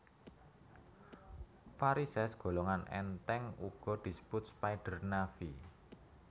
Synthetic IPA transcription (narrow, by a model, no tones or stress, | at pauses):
faɾisɛsɡ̥o̤loŋanʔɛ̰nt̪ɛŋuɡ̥ɔ̤d̪̥i̤sə̥pʊt̪̚spajɖ̥ə̤rnafi